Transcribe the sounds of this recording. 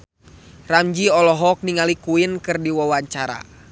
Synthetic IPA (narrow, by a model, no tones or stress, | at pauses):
ramd͡ʒiɔlɔɦɔk̚niŋalikuinkɨrdiwawaɲt͡ʃaɾa̰